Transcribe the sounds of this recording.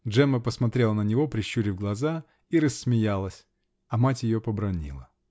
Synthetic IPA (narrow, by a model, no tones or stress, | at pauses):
dʐɛməpəsmɐt̪ɾʲe̞lˠənənʲɪvo̞pɾʲɪɕːuɾʲɪvɡlˠɐza | iɾəsʲmʲɪjalˠəsʲ | ɐmatʲjɪjopəbɾɐnʲḭlˠə̰